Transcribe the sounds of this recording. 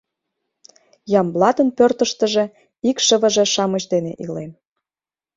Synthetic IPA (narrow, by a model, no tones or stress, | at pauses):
jɑmblɑt̪ə̆npørt̪ə̆ʃt̪ə̆ʒĕ | ikʃəβə̆ʒĕʃɑməʑd̪enḛʔilem